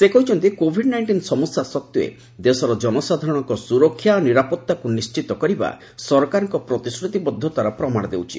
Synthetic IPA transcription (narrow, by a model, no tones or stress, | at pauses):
sekɔɦit͡ʃʰɔnt̪ikobʱiɖnajɳʈinsɔmusasɔk̚t̪uḛ | d̪esɔɾɔd͡ʒɔnɔsad̪ʱaɾɔɽ̃ɔŋkɔsuɾɔkʰːjaoniɾapɔt̪ːakunist͡ʃit̪ɔkɔɾiba̰ | sɔɾkaɾɔŋkɔpɾɔt̪isɾut̪ibɔd̪ʱːɔt̪waɾɔpɾɔmaɽ̃ɔd̪ewt͡ʃʰḭ